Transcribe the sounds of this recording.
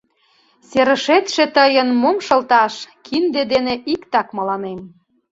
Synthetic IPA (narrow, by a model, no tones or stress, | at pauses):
seɾə̆ʃet̪ʃet̪əjənmomʃɤ̆lt̪ɑʃkʰind̪ed̪eneʔikt̪ɑkmɑlɑnem